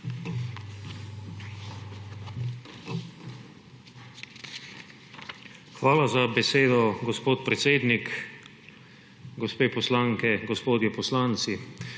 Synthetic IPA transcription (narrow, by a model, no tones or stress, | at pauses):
xʋaːlazabɛseːd̪ɔɡɔspoːt̪pɾɛt̪seːd̪nik | ɡɔspeːpɔslaŋkɛɡɔspoːd̪jɛpɔslant̪si